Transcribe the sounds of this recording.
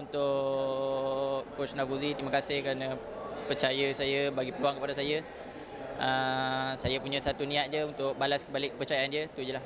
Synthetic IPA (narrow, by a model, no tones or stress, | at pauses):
unt̪ʊ | kkot͡ʃnavuzit̪iməkasɪhkəɾanə̃ | pərt͡ʃajəsajəbaɡipəɾuaŋkəpadasajə | əsajapuɲãsat̪unĩat̪̚d͡ʒəunt̪ʊk̚balaskəbalɪkːəpərt͡ʃajaand͡ʒiət̪ud͡ʒəlah